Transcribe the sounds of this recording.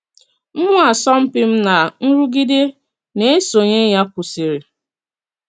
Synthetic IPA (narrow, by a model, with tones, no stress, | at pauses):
m̩˦mʊ˦a˨sɔ˦m̩˦pɪ˦m̩˦na˨n̩˦ɾu˦ɡi˦de˦ | ne˦e˦so˨ɲe˦ja˦kʷʊ˨si˨ɾi˨